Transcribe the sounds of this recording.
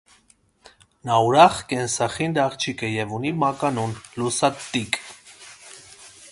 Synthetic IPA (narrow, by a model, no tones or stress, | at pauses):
nɑuɾɑχkɛnsɑχind̪ɑʁt͡ʃʰikəjɛvunimɑkɑnunlusɑt̪ːikʼ